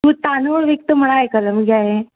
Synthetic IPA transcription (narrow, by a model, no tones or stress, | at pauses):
ut̪anoɽʋek̚t̪əm̤əɽ̃aekələmɡjaɦẽ